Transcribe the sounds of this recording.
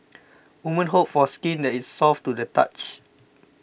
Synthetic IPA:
wumə̃nɦop̚fɔskĩndɛtisːɔftudəta̰t͡ʃ

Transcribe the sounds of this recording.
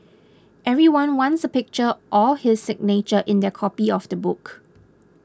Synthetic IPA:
ʔɛvɹiwãnwãnsəpɪk̚t͡ʃəʔɔlhɪsɪk̚net͡ʃəʔɪ̃ndɛkʰɔpiɔfdəbʊk

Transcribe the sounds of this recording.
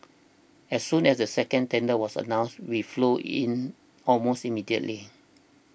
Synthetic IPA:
ɛsːũnɛsdəsɛkə̃ntɛ̃ndəwɔsə̰nãʊ̃nstwifloʔḭ̃n | ɔlmostimidiə̰tli

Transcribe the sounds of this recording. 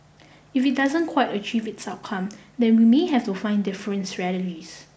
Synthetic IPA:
ifit̚dazə̃nkʰwaɪtət͡ʃivɪtsaʊt̚kʰãmdɛ̃nwimeɦɛftufãɪ̃ndɪfəɹə̃nsɹɛlətis

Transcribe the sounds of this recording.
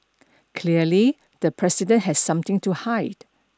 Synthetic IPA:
kʰliəli | d̥əpʰɹɛsidə̃ntɦɛssʌ̃mt̪ɪ̃ŋtuhaɪd̥

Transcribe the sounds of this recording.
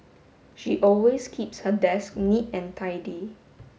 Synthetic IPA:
ʃiʔɔlweskʰipshədɛsk̚nitɛ̃ntʰaɪdi

